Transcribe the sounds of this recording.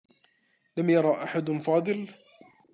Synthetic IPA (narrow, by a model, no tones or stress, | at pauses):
lamjɑɾˤɑːʔaħad̪fɑːd̪ˤɨl